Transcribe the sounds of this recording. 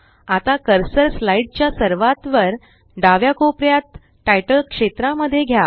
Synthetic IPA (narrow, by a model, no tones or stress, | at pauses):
at̪akəɾsəɾslaiɖ̚t͡ɕjasəɾʋat̪ʋəɾ | ɖaʋjakopɾjat̪ː | ajʈəlkʂet̪ɾaməd̪ʱːjeɡʱja